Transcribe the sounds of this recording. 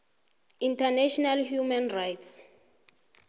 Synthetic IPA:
intʰanɛʃɔnalhjumanrajts

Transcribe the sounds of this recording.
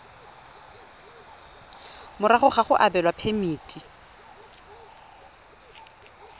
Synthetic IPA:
mʊɾaχʊχaχʊʔabɛlwapʰemiːtʼi

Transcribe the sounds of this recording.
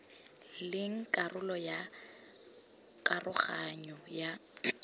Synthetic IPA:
lɪŋ̩kʼarʊlɔja | kʼarʔʊχaɲɔja

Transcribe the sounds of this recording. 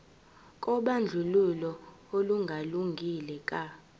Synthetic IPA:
kʼɔɓand͡ɮʱululɔ | oluŋɡʱaluŋɡʱilɛkʼa

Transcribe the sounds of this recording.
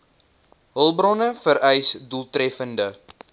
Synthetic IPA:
ɦəlˠbrɔnəfəɾɛjsdulˠtrɛfəndə

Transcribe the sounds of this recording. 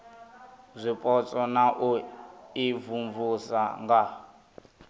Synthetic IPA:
zʷipʼɔt͡sʼɔnaʔuivuɱvusaŋɡa

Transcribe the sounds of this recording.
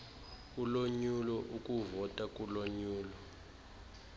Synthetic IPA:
uloɲulɔʔukʼuvɔtʼakʼuloɲuːlɔ

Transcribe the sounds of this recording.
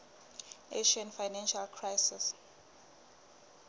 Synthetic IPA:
eʃianfajnɛ̃nʃalkʰrajsis

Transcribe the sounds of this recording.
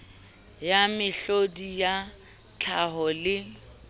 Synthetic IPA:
jamɪɬodija | t͡ɬʰaɦɔlɪ

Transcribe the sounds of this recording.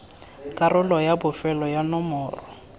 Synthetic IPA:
kʼarʊlɔjabʊfɛlɔjanɔmɔːrɔ

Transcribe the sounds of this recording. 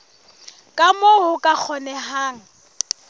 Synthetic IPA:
kʼamohʊkʼak͡xʰɔnɛɦaːŋ̩

